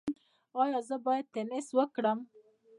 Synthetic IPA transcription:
ɑjɑzəbɑjad̪̚t̪enɪswəkɽəm

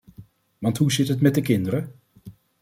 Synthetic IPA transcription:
ʋɑntɦuzɪtɦətmɛt̚dəkɪndəɾə

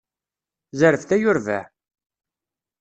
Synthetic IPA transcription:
zəɾəfθæjʊɾvæ̰

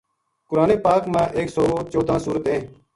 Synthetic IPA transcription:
kʊɾaːneːpaːkmãːʔeːksoːt͡ʃoːd̪ʱãːsuːɾət̪ɦẽː

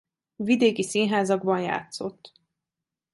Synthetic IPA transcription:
vid̪eːkisinɦaːzɒɡbɒnja̰ːt̪so̞̰t̪ː

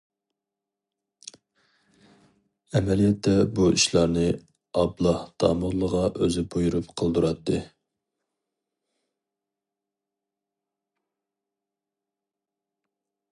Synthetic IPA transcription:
ɛmɛlijɛt̪ʰːɛbuʔiʃlˠɑɾnɨ | ɑblˠɑhd̪̥ɑ̰ːməʁlˠəʁɑʔøzɪbujuɾupqʰəlˠd̪uɾɑt̪ʰːɨ

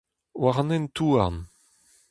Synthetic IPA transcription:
waʁnɛnt̪uaʁn

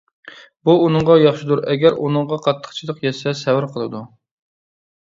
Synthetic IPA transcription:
buːnɨŋʁɑjɑχʃɪd̪uɾɛɡʲæɾunɨŋʁɑqʰɑt̪ʰːə̥χt͡ʃʰid̪ˠəqjɛsɛsɛwɪɾqʰəlˠɨd̪u

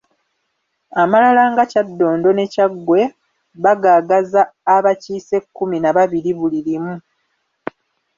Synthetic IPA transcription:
amalalaːŋɡacadːo̞ːndo̞ne̞caɡːwe̞ | βaɡaːɡazaːβaciːse̞kːuminaβaβiɾiβuliɾimu

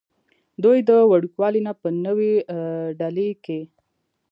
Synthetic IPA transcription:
d̪ujd̪əwaɽukwɑlinapənəweɖaleke

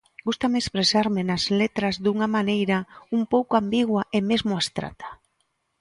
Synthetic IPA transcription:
ɡust̪amekspɾesaɾmɪnazlet̪ɾazðuŋamanejɾaumpowkoambiɣwaemezmoast̪ɾa̰t̪ḁ

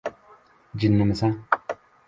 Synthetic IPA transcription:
d͡ʒɪnːɨmɨsa

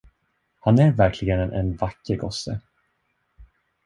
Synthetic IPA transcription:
hanæɾvæɾkʰlɪɡənɛnʔɛ̰nvakːəɾɡɔsːə̰

